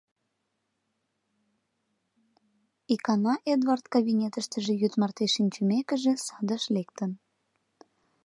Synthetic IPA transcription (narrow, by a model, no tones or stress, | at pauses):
ikɑnɑʔed̪vɑrt̪kɑβinʲet̪əʃt̪əʒĕjyt̪mɑrt̪eʃinʲt͡ɕəmekə̆ʒesɑd̪əʃlekt̪ən